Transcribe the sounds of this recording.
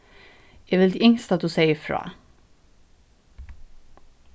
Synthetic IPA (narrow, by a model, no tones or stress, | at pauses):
jɛʋɪld̪ɪːɪŋst̪ɑt̪̚d̪ʉːseɪəfɾɑ̰ː